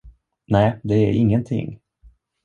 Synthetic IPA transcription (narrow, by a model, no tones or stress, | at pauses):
næːd̪ɛæɾɪŋːənt̪ʰɪ̰ŋː